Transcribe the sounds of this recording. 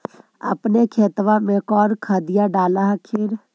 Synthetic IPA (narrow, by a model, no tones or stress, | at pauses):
ə̰pnekʰeːt̪ʋamẽkɔːɾkʰad̪ɪjaɖaːlaɦkʰɪɾ